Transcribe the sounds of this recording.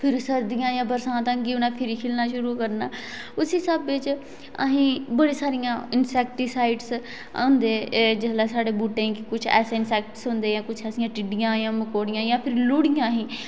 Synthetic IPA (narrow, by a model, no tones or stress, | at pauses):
pʰɪɾsəɾd̪ɪjãːjãːbəɾsãːt̪ãɡiʊnãːpʰɪɾiːkʰɪlnaːʃʊɾuːkəɾnaː | ʊsiːsəbʋɪt͡ʃ | ə̰ɦĩːbəɽiːsaːɾɪjãːɪnsɛːkʈisaːɪɖs | ã̰ːnd̪eːd͡ʒəslɛːsaːɽeːbuːʈẽːkɪkʊt͡ʃʰɛ̰ːseːɪnsɛːk̚ʈsɦʊ̃nd̪eːãːkʊt͡ʃʰɛːsɪjãːʈɪɖɪjãːjãːməkoːɽɪjãːjãːpʰɪɾlʊːɽɪjãːɦĩː